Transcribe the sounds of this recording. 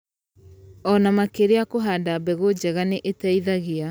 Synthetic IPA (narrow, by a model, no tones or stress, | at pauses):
ɔnamakeɾeakoɦadabɛɣod͡ʑɛɣaneʔetaiðaɣia